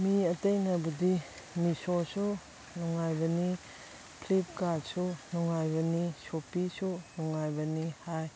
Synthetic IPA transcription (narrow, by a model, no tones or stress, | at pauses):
miɐtejnajbudi | misosu | nuŋajbɐni | pʰlip̚kasunuŋajbɐnisopisunuŋajbɐnihaj